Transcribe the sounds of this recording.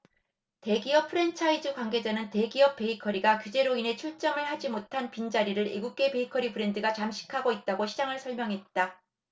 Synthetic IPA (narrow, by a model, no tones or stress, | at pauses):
te̞ɡiʌpʰɯɾe̞nt͡ɕʰaid͡ʑukwaŋɡe̞d͡ʑanɯnte̞ɡiʌp̚p͈e̞ikʰʌɾiɡakjud͡ʑe̞ɾoinɦe̞t͡ɕʰuɭt͡ɕ͈ʌmɯɭhad͡ʑimotʰanpind͡ʑaɾiɾɯɾḭɡuk̚k͈e̞pe̞ikʰʌɾipʰɯɾe̞ndɯɡat͡ɕamɕʰi̥kʰaɡoit̚t͈aɡoɕʰid͡ʑaŋɯɭsʰʌɭmjʌŋɦe̞t̚t͈a